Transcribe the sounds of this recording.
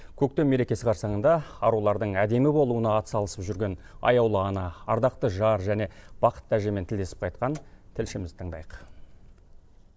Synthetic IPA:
kʲʰɵk̚t̪e̞mmːe̞ɾe̞kʲe̞sɪqʰɑɾsɑɴənd̪ɑɑɾulˠɑɾd̪əɴæd̪e̞mɪbo̞lˠuənɑːt̪ə̥sɑlˠəsəpʒʏɾɡʲe̞n | ɑ̰jɑwlˠəɑnɑɑɾd̪ɑq̚t̪əʒɑɾʒæne̞b̥ɑqə̥t̪̚ːæʒe̞ment̪ʰɪld̪e̞sɪ̥p̚qʰɑjt̪̚qɑnt̪ʰɪlʃɪmɪzɪt̪ʰəɴd̪ɑ̰jəq

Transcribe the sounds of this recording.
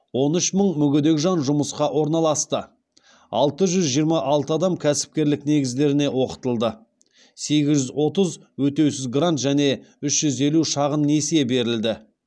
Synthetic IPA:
wo̞nʏʃməɴmʏɡʲed̪e̞kʲʒɑnʒʊməsqɑʔwo̞ɾnɑlˠɑst̪ə | ɑ̰lˠt̪əʒʏzʒijəɾmɑʔɑlˠt̪əɑd̪ɑmkʲʰæsɪ̥p̚kʲe̞ɾlɪkne̞ɡʲɪzd̪e̞ɾɪne̞wo̞qə̥t̪əlˠd̪ə | se̞ɡʲɪzʒʏzwo̞t̪əz | wɵt̪e̞wsɪzɡrant̪ʒæne̞ʏʃʒ̥ʏze̞luʃɑʁənːe̞sijebe̞ɾɪld̪ɪ

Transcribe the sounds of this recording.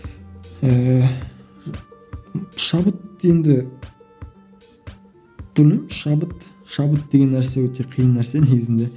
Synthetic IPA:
ə | ʃɑbət̪e̞nd̪ɪ | b̪ɵlɪmʃɑbət̪ | ʃɑbət̪̚d̪eɡʲe̞nːæɾse̞wɵt̪ʰe̞qʰijənːæɾse̞ne̞ɡʲɪzɪnd̪e̞

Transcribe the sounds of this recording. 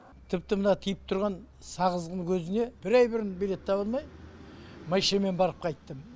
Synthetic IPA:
t̪ʰɪp̚t̪ɪmənɑt̪ʰijəp̚t̪ʰʊɾʁɑn | sɑʁəzʁəŋkʲʰɵzɪne̞b̥ɪɾæjbɪɾɪnbele̞t̪ʰːɑβəlˠmɑj | mɑjʃeme̞nbɑɾəp̚qʰɑjt̪ːəm

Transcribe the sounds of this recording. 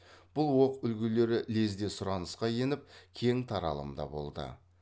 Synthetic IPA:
b̥ʊlˠwo̞qʏlɡʲɪle̞ɾɪle̞zd̪e̞sʊɾɑnəsqɑje̞nɪp̚kʲʰe̞ŋt̪ʰɑɾɑ̰lˠə̰md̪ɑ̰bo̞̰lˠd̪ə̰

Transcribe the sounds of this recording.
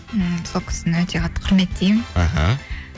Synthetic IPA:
solˠkʰʲɪ̥sɪnɪwøt̪ʰʲeqʰɑt̪ːqʰʊɾmet̪̚d̪ijmaɦa̰

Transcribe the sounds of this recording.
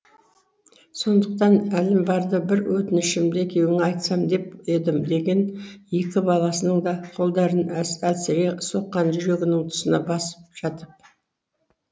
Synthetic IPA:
so̞nd̪əq̚t̪ɑnælɪmbɑɾd̪əbɪɾwɵt̪ɪnɪʃɪmd̪ekʲʰe̞wɪŋɑjt̪sɑmd̪e̞ped̪ɪmd̪e̞ɡʲe̞nje̞kʲɪbɑlˠɑsənəɴd̪ɑqʰo̞lˠd̪ɑɾənælseɾeso̞qːɑnʒʏɾe̞ɡʲɪnɪŋt̪ʰʊ̥sənɑbɑsə̥p̚ʒ̥ɑt̪əp̚

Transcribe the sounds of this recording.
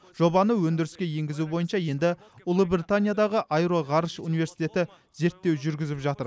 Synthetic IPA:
ʒ̥o̞bɑnəwɵnd̪ɪɾɪskʲe̞je̞ŋɡʲɪzubo̞jənʃɑje̞nd̪ɪ | ʊlˠəbɾʲit̪anʲijad̪ɑʁəʔajɾo̞ʁɑɾʃṵnive̞ɾsijt̪ʲe̞t̪ɪ | ze̞ɾt̪ːe̞wʒʏɾɡʲɪzɪpʒɑt̪əɾ

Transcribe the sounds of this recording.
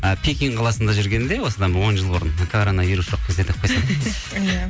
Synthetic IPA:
əpʰʲekʲiŋqʰɑlˠɑsənd̪ɑʒʏɾɡʲe̞nd̪e̞wo̞səd̪ɑbɪɾwo̞nʒəlˠbʊɾənkʰoɾonɑvijɾusʒ̥o̞q̚kʲʰe̞zd̪e̞t̪ɪ̥p̚qʰojsɑ | j

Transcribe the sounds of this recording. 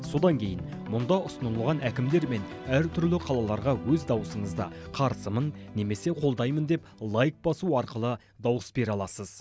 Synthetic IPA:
so̞d̪ɑŋkʲʰe̞jɪnmʊnd̪ɑʔʊsənəlˠʁɑnækʲɪmd̪e̞ɾme̞n | æɾt̪ʰʏɾlɪqʰɑlˠɑlˠɑɾʁɑwɵzd̪ɑwəsəɴəzd̪ɑqʰɑɾsəmənːe̞me̞se̞qʰo̞lˠd̪ɑjmənd̪e̞plˠajk̚bɑsuɑɾqəlˠə | d̪ɑwəsbe̞ɾɑlˠɑsəz

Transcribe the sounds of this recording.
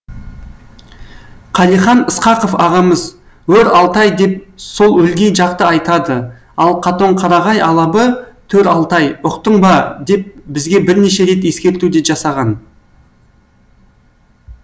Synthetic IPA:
qʰɑlˠijχɑnəsqɑqofɑʁɑməz | wɵɾɑlˠt̪ɑjd̪e̞p̚so̞lˠwɵlɡʲe̞jʒɑqt̪əɑjt̪ɑd̪ə | ɑlˠqʰɑt̪o̞ɴqʰɑɾɑʁɑjɑlˠɑbət̪ʰɵɾɑlˠt̪ɑjʊqt̪əɴbɑd̪e̞p̚bɪzɡʲe̞bɪɾneʃe̞ɾe̞t̪je̞skʲe̞ɾt̪ud̪e̞ʒɑsɑʁɑn

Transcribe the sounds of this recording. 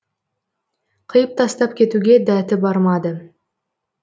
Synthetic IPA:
qʰɯjɯp̚t̪ɑst̪ɑpkʲe̞t̪uɡʲed̪æːt̪ɪbɑɾmɑd̪ɯ

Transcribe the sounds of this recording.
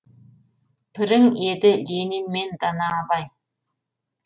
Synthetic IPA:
pʰɪɾɪŋed̪ɪlʲeninmend̪ɑnɑːbɑj

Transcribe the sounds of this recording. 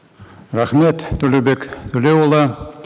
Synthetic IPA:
ɾaχmet̪ːɵlubekt̪ʰɵlewolˠɑ

